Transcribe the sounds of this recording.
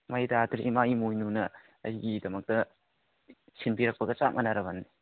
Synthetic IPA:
majdatʰɾimaimojnunɐ | ɐjɡidɐmɐk̚tɐ | sinpiɾɐk̚pɐɡɐt͡ʃamʔɐnaɾɐbɐnːi

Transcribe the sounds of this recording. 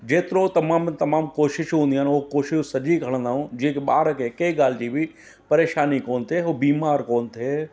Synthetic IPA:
d͡ʒeːt̪ɪɾõt̪ɐmaːmt̪ɐmaːmkoːʃɪʃɦũːnd̪iaːnokoːʃɪʃsɐd͡ʒikʰɐɽ̃ə̃nd̪aːɦũːd͡ʒĩkeɓaːɾkekɐiɡaːld͡ʒibʱi | pɐɾeːʃaːnikoːnt̪ʰeobiːmaːɾkoːnt̪ʰeː

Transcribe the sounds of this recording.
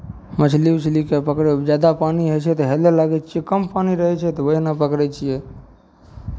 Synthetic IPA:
mət͡ʃʰliwt͡ʃʰlikepəkɾed͡ʒad̪apaniɦət͡ʃʰɛt̪ɔɦelelaɡɛt͡ʃʰijekəmpaniɾəɦɛt͡ʃʰɛt̪ɔʋəɦinapəkɾɛt͡ʃʰijɛ

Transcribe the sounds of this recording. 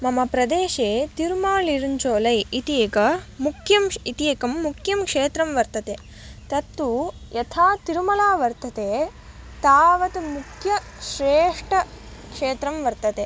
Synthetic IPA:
mɐmɐpɾɐd̪eːʃeːt̪iɾumaːliɾuɲt͡ʃoːlɐjit̪ijɐkɐmukʰjɐmit̪ijɐkɐmːukʰjɐmkʂeːt̪ɾɐmʋɐɾt̪ɐt̪e | t̪ɐt̪ːujɐt̪ʰaːt̪iɾumɐlaːʋɐɾt̪ɐt̪eː | t̪aːʋɐt̪mukʰjɐ | ʃɾeːʂʈɐ | kʂeːt̪ɾɐmʋɐɾt̪ɐt̪e

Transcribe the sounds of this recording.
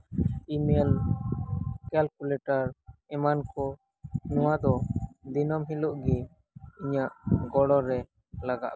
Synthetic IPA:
imel | kɛlkulɛʈaɾɛmankɔ | nɔwad̪ɔd̪inɔmɦiluʔɡɛ | iɲaʔɡɔɽɔɾɛ | laɡa̰ʔ

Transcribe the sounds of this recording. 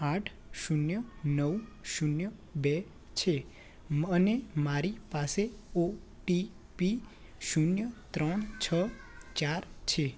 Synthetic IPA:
aʈʰʃunjənəwʃunjəbe | t͡ʃʰe | mənemaɾipaseo | ʈi | pi | ʃunjət̪ɾəɳt͡ʃʰət͡ʃaɾt͡ʃʰe

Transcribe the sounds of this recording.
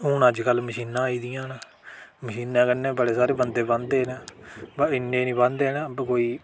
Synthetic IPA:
ʊːnəd͡ʒkəlməʃiːnːãːiːd̪ɪjãːna | məʃiːnːãːkənːẽːbəɽeːsaːɾeːbənd̪eːbãnd̪eːɦnaːbaɪnːẽːnĩːbãnd̪eːɦnabkoːiː

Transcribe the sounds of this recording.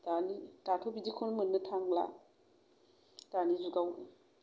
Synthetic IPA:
tanitatʰobidikʰonmɯnːɯtʰaŋla̰ | d̥anizuɡaw

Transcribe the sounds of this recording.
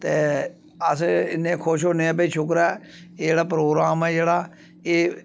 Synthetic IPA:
t̪eː | əsɪnːẽːkʰʊʃ̬ɦoːneːɛ̃ːpəiːʃʊk̬ɾɛː | ed͡ʒeːɽaːpɾoːɡɾaːmɛːd͡ʒeːɽaː | eː

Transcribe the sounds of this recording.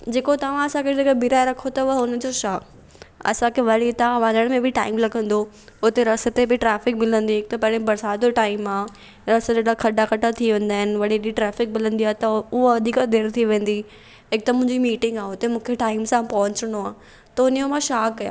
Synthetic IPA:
d͡ʑeːkot̪ɐʋ̤ãɐsãkʰed͡ʑekbiɾaeɾɐkʰot̪ɐʋɐʊnə̆d͡ʑoʃaːk | ɐ̰sãkʰeʋɐɽit̪aʋãːnəɽ̃mẽbɪʈaːɪmlɐɡʱə̃nd̪o | ʊt̪eɾɐsə̆t̪ebɪʈɾɛːfɪkmɪlə̃nd̪iɦɪk̚t̪ɐpɐ̃ɾẽbɐɾsaːd̪oʈaːɪmaː | ɾɐsəd͡ʑeːɽakʰɐɖakɐʈat̪ʰiʋẽːnd̪aːɦɪnɪ̆ʋɐɽ̤iɗiʈɾɛːfɪk̚mɪlə̃nd̪iaːt̪ɐʊɦoɐd̪ʱikd̪ʱeːɽ̃t̪ʰiʋẽːn̆d̪i | ɦɪk̚t̪ɐmʊ̃ɦɪ̃ɲd͡ʑimiːʈɪ̃ŋɡaːʊt̪emũːkʰeʈaːɪmsãpɐɦʊ̃ɲt͡ɕəɽ̃oaː | t̪ɐʊnjomãʃaːkːɐjã̰ː

